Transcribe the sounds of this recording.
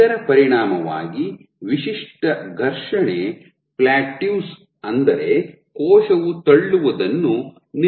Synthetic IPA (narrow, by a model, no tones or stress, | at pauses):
ɐɾɐpɐɾiɳaːmɐʋa̰ːɡi | ʋiʃiʂʈɐɡʱɐɾʂɐɳe | plaːʈjuːs | ɐnd̪ɐɾe̞ | kɔːʃɐʋut̪ɐɭːuʋɐd̪ɐnːu | n